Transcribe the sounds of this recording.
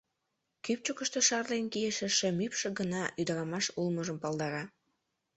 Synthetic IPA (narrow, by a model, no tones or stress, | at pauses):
kyp̚t͡ɕokəʃt̪eʃɑrlenkijeʃĕʃĕmypʃĕɡənɑʔyd̪ə̆ɾɑmɑʃulməʒəmpɑlˠd̪ɑɾɑ